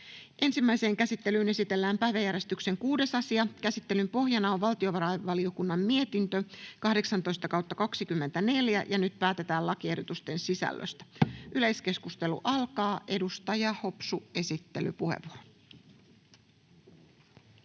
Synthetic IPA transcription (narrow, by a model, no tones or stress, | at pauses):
ʔe̞nsimːæjse̞ːŋkæsit̪ːe̞lyːne̞sit̪e̞lːæːmpæjʋæjæɾjest̪ykse̞ŋkuːde̞sɑsiɑkæsit̪ːe̞lympo̞ɦjɑnɑoʋʋɑlt̪io̞ʋɑɾɑjʋɑlio̞kunːɑmːie̞t̪int̪økɑhde̞ksɑnt̪ojst̪ɑkɑwt̪ːɑkɑksikymːe̞nt̪æne̞ljæ̰jʔɑnyt̪pæːt̪e̞t̪æːlɑkiehdo̞t̪ust̪e̞nsisæ̰lːø̰st̪æ̥ʔyle̞jske̞skust̪e̞lṵʔɑlkɑːʔe̞dust̪ɑjɑho̞psue̞sit̪ːe̞̰ly̰puhḛʋuoro